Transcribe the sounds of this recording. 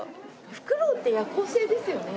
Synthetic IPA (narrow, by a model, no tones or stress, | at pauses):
ɸɯ̥kɯ̟ɾoːt̪ːejakoːse̞ːd̪e̞sɨjo̞ne̞